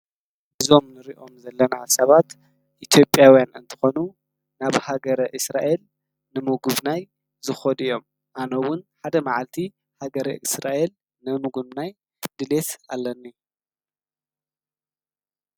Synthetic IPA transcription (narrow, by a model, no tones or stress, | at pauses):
ʔɨzo̞mnɨɾiʔo̞mzɐlːɐnasɐβat̪ | ʔit̪ʰjo̞pʼːjawjanɨ̰nt̪ʰɨ̥xo̞nu | naβhaɡɐɾɐʔɨsɾa̰ʔe̞l | nɨmuɡuβnaj | zɨxod̪ɨjːo̞m | ʔanowʊnħad̪ɐmaʕalt̪ʰi | haɡɐɾɐ̰ʔɨsɾaʔe̞l | nɨmuɡuβnaj | d̪̥ɨle̞t̪a̰lːɐnːi